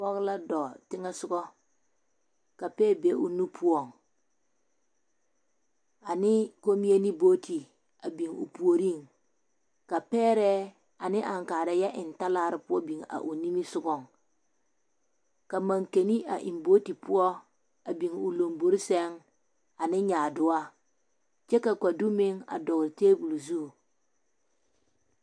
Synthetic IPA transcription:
ɔ˦ɣla˦dɔ˨tɪ˦ŋɛ˦sʊ˦ɡɔ˦ | ka˨pɛː˦be˨˦ʔʊ˨nu˦pʰʊ˦ɔ˨ŋ | a˨nɪ˦ko˦mi˦e˦ni˦boː˦tʰi˨ | a˨bi˨ŋʊ̰˨pu˨o˨ɾi˦˨ŋ | ka˨pɛː˦ɾɛ˦ | a˨nɪ˦ʔa˨ŋkaː˨ɾa˨jɛ˦ʔɪ˨nta˦laː˦˨ɾɪ˨pʊ˦ɔ˦bi˨ŋa̰˨ʔu˨ni˦mi˦sʊ˦ɡɔ˦˨ŋ | ka˨ma˨ŋke˨ni˦ʔa˨ʔɪ̰˨mboː˦ti˨pʊ˦ɔ˦ | a˨bi˨ŋʊ˨lo˨mbo˦ɾi˦sɛ˦ŋ | a˨nɪ˦ɲaː˨dʊ˦a˦ | t͡ʃɛ˦ka˨ka˨du˦mɪ˦ŋa̰˨dɔ˨ɣɾɪ˨teː˦bu˨lu˨zu˦˨

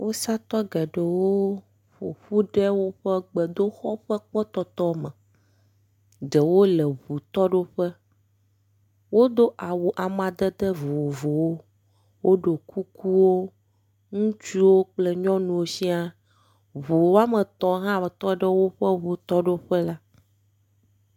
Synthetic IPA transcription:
wʔo˦sa˦t̪ɔ˦ɡɛ˨ɖə˨wo˦ | ɸo̰˨ɸu˦ɖɛ˦wo˦ɸɛ˦ɡ͡bɛ˨d̪o˦xɔ˦ɸɛ˦k͡pɛ˦t̪ɔ˨t̪ɔ˦mə˨ | d̪ə˨wo˦lə˨βu˨t̪ɔ˦ɖo˦ɸə˦ | wo˦d̪o˦ʔa˨wo˨ʔa˨mã˨d̪ə˦d̪ə˦vo˨vo˨wo˦ | wʔo˦ɖo˨kʰu˦ku˦wo˦ | ŋũ˦t͡ʃu˦wo˦k͡plɛ˦ɲɔ̃˦nũ˨wo˦si˦a˦ | βo˨wo˦a˦mə˨t̪ɔ̃˨ɦã˦˨t̪ɔ˦ɖɛ˦wo˦ɸɛ˦βu˨t̪ɔ˦ɖo˦ɸɛ˦la˦

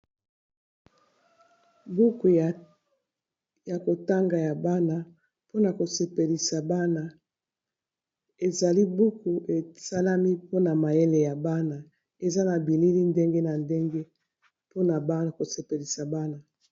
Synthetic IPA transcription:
bu˦ku˨ | ja˨ko˨ta˦ŋɡa˨ja˨ba˦na˨ | po˦na˨ko˨se˨pe˨li˨sa˨ba˦na˨ | e˨za˨li˦bu˦ku˨ʔe˨sa˦la˦mi˦po˦na˨ma˨je˦le˨ja˨ba˦na˨ | e˨za˦na˨bi˨li˦li˦nde˦ŋɡe˦na˨nde˦ŋɡe˦ | po˦na˨ba˦˨ko˨se˨pe˨li˨sa˨ba˦na˨

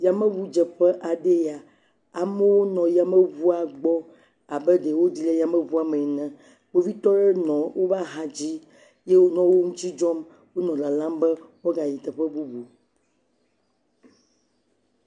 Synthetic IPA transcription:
ja˨mɛ̃˦βu˦d͡ʒɛ˨ɸɛ˦ʔa˨ɖe˦ja˨ | a˨mɛ˦wo˦nɔ̃˨ja˨mɛ˦βu˦a˨ɡ͡bɔ˦ | a˨bɛ˦ɖe˨wo˦d̪i˦lɛ˦ja˨mə̃˦vu˦a˨mɛ˨nɛ̃˨ | wo˦vi˦t̪ɔ˦ɖɛ˦nɔ̃˨wo˦va˦ɦã˨d͡ʑi˦ | je˦wo˦nɔ̃˦wo˦ŋũ˦t̪i˦d͡ʒɔ˦m | wo˦nɔ̃˨la˨lã˦mbɛ˦wo˦ɡa˨ji˨t̪ɛ˨ɸɛ˦bu˦bu˨

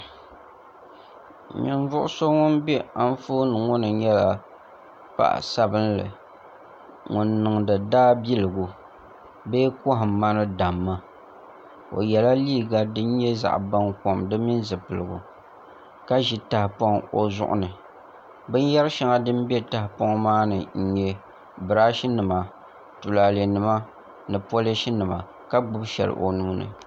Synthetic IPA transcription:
ɲɪ̰˨ɱ˦vʊ˦ʔʊ˦so˦ŋʊ˦nbɛ˦a˦n˦fo˦nɨ˨ŋʊ˦nɨ˨ɲɛ˦la˨ | pa̰˦ʔa̰˨sa˦bɨ˦nlɨ̰˨ | ŋʊ˨nːɨ˨ŋdɨ˨daː˦bi˦lɨ˨ɡu˨ | be˦kɔ˦ɦma˦nɨ˦da˨mːa˦ | o̰˨jɛ˨la˦liː˦˨ɡa˦dɨ˦n̩˦ɲjɛ˦za̰˨ʔba˦ŋko˨mdɨ˦mi˦n˦zɨ˨pɨ˨lɨ˨ɡṵ˨ | ka˦ʒi˦ta˨hɪ˨po˦ŋo˨zʊ̰˦ʔʊ̰˦nɨ˨ | bɨ˦n˦jɛ˦ɾɨ˦ʃi˦ŋa˦dɨ˦m˦be˦ta˨hɪ˨po˦ŋ˦maː˦nɨ˨n̩˨ɲɛ˨ | bɨ˨ɾa˦ʃi˦nɨ˨ma˨ | tu˨laː˨le˨nɨ˨ma˦ | nɨ˨po˦le˦ʃi˦nɨ˨ma̰˨ | ka˦ɡ͡bʊ˦bʃɛ̰˨lɨ̰˨ʔo˨nuː˦nɨ̰˨

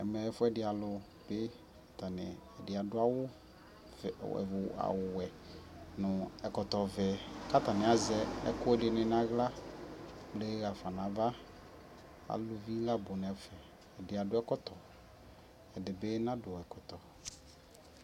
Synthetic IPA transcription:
ɛ˨mɛ˨ɛ˨fʊ˦ɛ˦dɪ˨˦a˨lʊ˨ | be˦ | a˨t̪a˨nɪ˨ɛ˨dɪ˨a˨dʊ˦a˦wʊ˦˨ | ɛ̰˨ʊ˨a̰˨wʊ˨ɛ˨nʊ̃˨ɛ˨kɔ˨t̪ɔ˨vɛ˨ka˦t̪a˨nɪ̃˨a˨zɛ˦ɛ̰˦kʊ˦ɛ˦dɪ˨nɪ̃˨n˦a˦ɣla˦ | ble˦ɣa˨fa˨nã˨˦va˦ | a̰˨lʊ˦vi˦la˦bʊ˨n˨ɛ˨fɛː˨ | dɪ˨a˨dʊ˦ɛ˦kɔ˦t̪ɔ˨ | ɛ˨dɪ˨be˦nã˦dʊ˨ɛ˨kɔ˨t̪ɔ˨

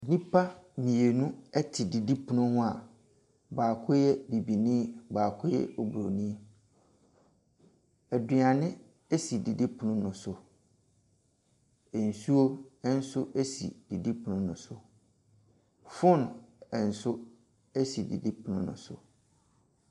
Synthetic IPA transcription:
nĩ˦pʰa˦mĩ˨e˨nũ˦ɛ˦tʰɪ˨di˨di˦pʰʊ˨nʊ̃˦hʊ̃˦a˨ | baː˨kʰʊ˦jɛ˦bi˨bi˨nĩ˦baː˨kʰʊ˦jɛ̰˦o˨bɾo˨nĩ˦ | ɛ˨dɪ˨a˨nɪ̃˦ | e˦si˨di˨di˦pʰʊ˨nʊ̃˦nʊ̃˨sʊ˨ | ɛ˨n̩˨su˦o˦ɛ˦n̩˦sʊ˦ʔe˦sḭ˨d̥i˨di˦pʰʊ˨nʊ̃˦nʊ̰̃˨sʊ̰˨ | fʊ̃˦n˨ɛ˨n̩˨sʊ˦ | ɛ˦si˨dḭ˨di˦pʰʊ˨nʊ̃˦nʊ̰̃˨sʊ̰˨

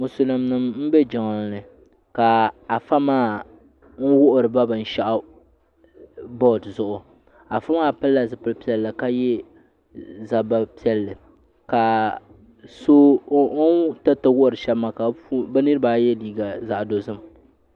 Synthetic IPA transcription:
mʊ˨sʊ˦lɨ˨mnɨ˦mm̩˦bɛ˦d͡ʒɔ˨ŋ˨lnɨ˨ | ka˨a˨fa˦maː˦ | ŋ̩˦wʊ˦ʔʊ˨ɾɨ˨ba˦bɨ˨n̩˦ʃa˦ʔa˦ | bɔ˦˨tzʊ˨ʔʊ˨ | a˨fa˦maː˦pɨ˦lːa˨zɨ˨pɨ˦lpi˦ɛ˦lːɨ˨ka˦jɛ˦ | za˨ba˨pi˦ɛ˦lːɨ˨ | ka˨ | so˦ | ta˦tɨ˦wʊ˦ʔʊ˨ɾɨ˨ʃɛ˦bmːa˨ka˨˦ba˦nɨ˦ɾɨ˦baː˨˦jɛ˦liː˦˨ɡa˨za˨ʔdo˨zɨ˦m

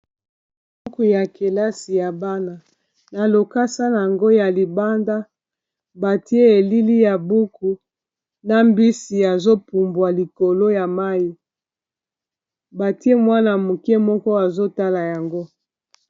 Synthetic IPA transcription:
b | u˦ku˨ja˨ke˨la˦si˨ja˨ba˦na˨ | na˨lo˨ka˦sa˦na˨ŋɡo˦ja˨li˨ba˦nda˦ | ba˨ti˦e˦e˨li˦li˦ja˨bu˦ku˨ | na˦mbi˦si˨ja˨zo˦pu˨mbwa˨li˨ko˨lo˦ja˨ma˦ji˦ | ba˨ti˦e˦mwa˦na˨mu˨kɛ˦mɔ˦kɔ˦a˨zo˦ta˦la˨ja˨ŋɡo˦

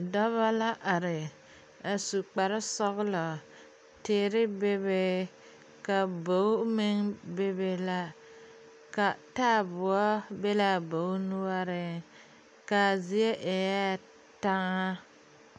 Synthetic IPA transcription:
dɔ˦βa˦la˦ʔa˨ɾɪ˨ | a˨su˨k͡pa˨ɾɪ˦sɔ˦ɣlɔ˨ | teː˦ɾɪ˦be˦βe˦ | ka˨bo˨˦mɪ˦ŋbe˦be˨la˦ | ka˨taː˦˨bʊ˨ɔ˦be˦la˨bo˨˦nu˦a˦ɾɪ˨ | ka˨zi˨e˦ʔe˨ja˦ | ta˦ŋa˦

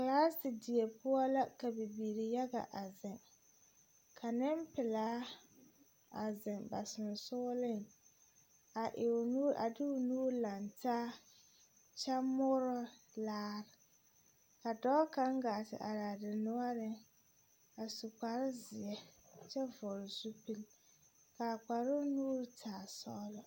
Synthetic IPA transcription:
ka˨laː˦sɪ˨dɪ˨ɛ˨pʊ˦ɔ˦la˦ka˨bɪ˨biː˨ɾɪ˨ja˦ɡa̰˨ʔa˨zɪ˨ŋ | kʰa˨nɪ˦mpɪ˨laː˦ | a˨zɪ˨ŋba˨sɪ˨n˨sʊː˦lɪ˦˨ŋ | a˨ʔɪ˨nu˦ʔa̰˨dɪ˦ʊ˨nuː˦la˨ntaː˦ | t͡ʃa˦mʊ˦ɾɔ˦ | laː˦ɾɪ˨ | ka˨dɔː˦ka˦ŋɡaː˨tɪ̰˨ʔa̰˨ɾa˨dɪ˨nʊ˦a˦ɾɪ˦ | a˨su˨k͡pa˨ɾɪ˦zɪ˨ɛ˦t͡ʃɛ˦vɔ˨ɾɪ˨su˦pi˦l | ka˨k͡pa˨ɾo˦nuː˦ɾtʰaː˨sɔː˦lɔ˨

